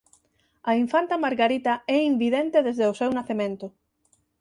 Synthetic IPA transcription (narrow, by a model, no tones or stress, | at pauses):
ɐiɱfant̪amaɾɣaɾit̪aɛimbiðent̪eðezðeʊsewnaθemẽnt̪ʊ